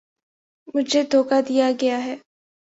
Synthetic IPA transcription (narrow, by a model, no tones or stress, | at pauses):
mʊd͡ʒʱed̪ʱoːkad̪ijaɡɐjaɦɛː